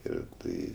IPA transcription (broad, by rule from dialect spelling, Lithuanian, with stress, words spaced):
ɪr ˈtɐɪ